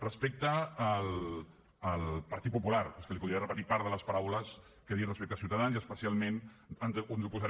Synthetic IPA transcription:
rəspek̚t̪əːlː | lpəɾt̪it̪̚pupulaɾeskəlipuðɾiarəpət̪ipaɾðələspaɾawləs | kəðirəspek̚t̪əsiuwt̪aðanziəspəsialˠmenənznzupuzaɾ

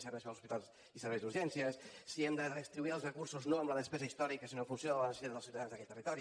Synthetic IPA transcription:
səβɛsalˠsuspit̪alˠz | isəɾβɛzðuɾʒɛnsiəssiɛmd̪əðəst̪ɾiβuiəlˠzrəkuɾsuznoəmləðəspɛzəist̪ɔɾikəsinofunsjoələnəsieðəlˠsiwt̪aðanzðəkɛt̪ːərit̪ɔɾi

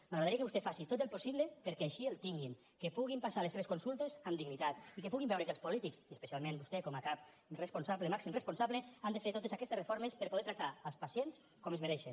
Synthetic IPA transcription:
maɣɾaðaɾikeust̪efasit̪ot̪elˠposiβlepeɾkɛaʃielˠt̪iŋɡin | kepuɣ̞impasaleseβeskunsulˠt̪ezamd̪iɡnit̪at̪ikepuɣimbɛwɾekelˠspulit̪iksiəspesialˠmẽnbust̪ekɔmakap̚ | respunsaβlemaksimrespunsaβleand̪efeɾt̪ot̪esakɛst̪esrefoɾmespəɾpoðɛt̪ɾak̚t̪aəlˠspasjens | kɔmezmeɾɛʃe

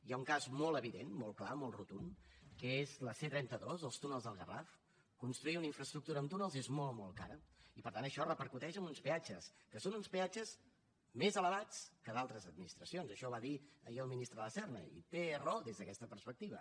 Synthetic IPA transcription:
iauŋkazmɔlˠəβiðenmɔlˠklamɔlˠrut̪unkəezləset̪ɾɛnt̪əðozəlˠst̪unəlˠzðəlˠɣə̰ra̰f | kunst̪ɾuiunəiɱfɾəst̪ɾuk̚t̪uɾəːmt̪unəlˠzezmɔlˠmɔlˠka̰ɾəipəɾt̪anəʃɔrəpəɾkut̪ɛʃəmunspiad͡ʒəskəsonunspiad͡ʒəz | mezələβat͡skəðalˠt̪ɾəzəd̪̚minist̪ɾəsionzəʃɔβaðiə̰jiəlˠminist̪ɾəðəəsɛrnə̰ḭt̪erɔðezðəkɛst̪əpəɾspək̚t̪iβə̰

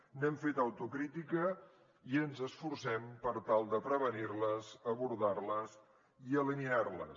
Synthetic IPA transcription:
nɛmfet̪əwt̪ukɾit̪ikə | iənzəsfuɾsɛmpəɾt̪alˠd̪əpɾəβəniɾləzəβuɾðarləz | iəliniaɾlə̰

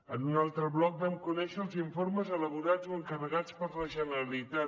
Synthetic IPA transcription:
ənunalˠt̪ɾəβlɔk̚bɛmkunɛʃəːlˠziɱfoɾməzələβuɾad͡zoəŋkərəɣat͡spəɾləʒənəɾəlit̪a

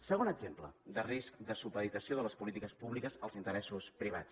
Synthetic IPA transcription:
səɣonəɡzemplə̰d̪ərisk̚d̪əsupəðit̪əsioðələspulit̪ikəspuβlikəzəlˠzint̪əɾɛsuspɾiβa̰t͡s

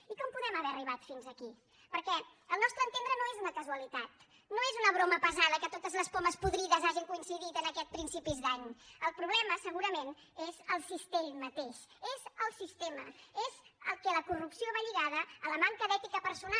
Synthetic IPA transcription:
ikɔmpuðɛməβɛɾəriβ̞at̪finzəki | pəɾkɛ | əlˠnɔst̪ɾənt̪end̪ɾənoezunəkəzuəlit̪at̪ | noezunəβ̞ɾoməpəzaðəkət̪ot̪əzləspoməspuðɾiðəzaʒiŋkuinsiðit̪ənəkɛt̪̚pɾinsipizd̪aɲəlˠpɾuβlɛməsəɣuɾəmen | ezəlˠsist̪emət̪eʃezəlˠsist̪eməezə̰lˠkɛləkurupsioβaʎiɣaðəələmaŋkəðɛt̪ikəpəɾsuna

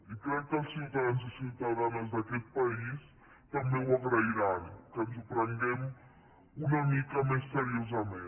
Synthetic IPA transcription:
ikɾɛk̚ːəsiwt̪aðanzsiwt̪aðanazd̪akɛt̪̚pais | t̪ambewaɣɾaiɾankənzupɾəŋɡɛm | unamikɐmesːeɾiozame

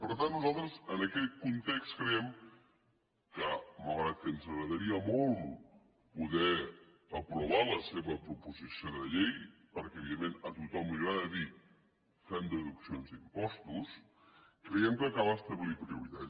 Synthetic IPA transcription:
pəɾt̪anːuzalˠt̪ɾəzənəkɛt̪̚kunt̪ekskɾəɛm | kəməlɣɾat̪̚kənzəɣɾəðəɾiəmɔlˠ | puðɛ | əpɾuβaləseβəpɾupuzisioðəʎejpəɾkɛəβiðemːenət̪ut̪ɔmliɣɾaðəði | fand̪əðuksionzd̪impɔst̪us | kɾəjɛmkəkaβəst̪əβlipɾiuɾit̪a

